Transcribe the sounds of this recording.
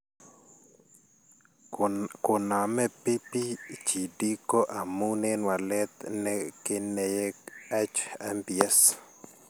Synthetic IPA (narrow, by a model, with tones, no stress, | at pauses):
ko˨na˨mɛ˦pi˦pi˦t͡ʃi˨di˦ko˦ʔa˨mu˦nɛ˦nwa˨lɛ˦t̪nɛkɪ˦nɛ˨jɛɛ˦t͡ʃa˦mpiɛ˦s